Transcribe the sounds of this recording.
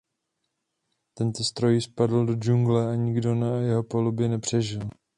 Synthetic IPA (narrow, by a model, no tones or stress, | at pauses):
t̪ɛnt̪ost̪ɾo̞jɪspadl̩do̞d͡ʒuŋɡlɛaɲɪɡdo̞najɛɦo̞polubjɛnɛpr̝̥ɛʒɪl